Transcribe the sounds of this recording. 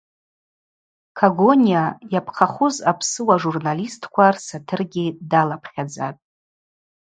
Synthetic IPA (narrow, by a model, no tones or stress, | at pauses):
kʰaɡonʲijajapʰqʰaχʊzapʰsɨwaʐurnalistʰkʷʰarsatʰɨrɡʲidalapʰχʲad͡zatʼ